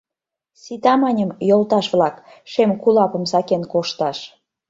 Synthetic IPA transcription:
sit̪ɑmɑnʲəmjolˠt̪ɑʃβlɑkʃemkulɑpə̆msɑkenkoʃt̪ɑʃ

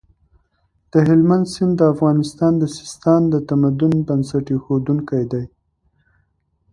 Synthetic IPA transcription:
d̪̥əɦɪlmand̪sɪnd̪d̪əafɣɑnɪst̪ɑnd̪əsɪ̥st̪ɑnd̪ət̪amad̪ʊnbansaʈexod̪uŋkajd̪aj

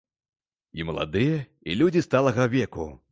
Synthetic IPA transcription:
imɐlˠa̰d̪ɨjɛ | ilʲud͡zʲist̪alˠɐɣɐvʲɛku

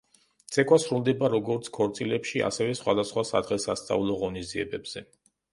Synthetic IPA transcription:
t̪sʰɛkʰʼwasɾulˠd̪ɛbaɾɔɡɔɾt̪sʰkʰɔɾt̪sʼilɛpʃia̰sɛvɛsχwa̰d̪asχwasa̰d̪ʁɛsast̪sʼa̰ulˠɔʁɔnizd̪iɛbɛbz̥ɛ

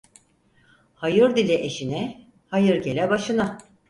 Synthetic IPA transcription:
hajɯɾd̪ilʲɛʔeʃinɛ | hajɯɾɟe̞lʲɛbaʃɯna

